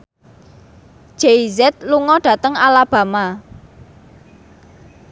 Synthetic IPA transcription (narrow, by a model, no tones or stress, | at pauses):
ʒ̥eizɛt̪̚luŋɔɖ̥ä̤t̪əŋalab̥a̤ma